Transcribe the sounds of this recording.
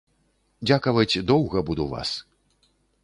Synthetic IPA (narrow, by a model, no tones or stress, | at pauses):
d͡zʲakɐvɐt͡sʲd̪ɔwɣɐbud̪uva̰s